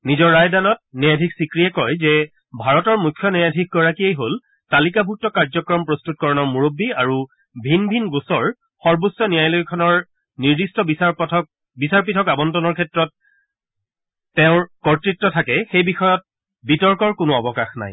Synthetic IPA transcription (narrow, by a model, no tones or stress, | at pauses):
nizɔɹːajdanɔt̚nɛjadʱiksikɹijɛkɔjzɛ | bʱaɹɔtɔɹmukʰːjɔnɛjadʱik̚ɡɔɹakiejɦol | talikabʱuk̚tɔkaɹzɔkɹɔmpɹostut̚kɔɹɔnɔɹmuɹobːiaɹu | bʱinbʱinɡosɔɹ | xɔɹbosːɔnijajlojkʰɔnɔɹ | niɹdistɔ | bisaɹpitʰɔkabɔntɔnɔɹkʰɛtɹɔt | ɛʊ̃kɔɹtɹitːɔtʰakɛxejbixɔjɔt̚ | bitɔɹkɔɹkʊnʊɔbɔkaxna̰j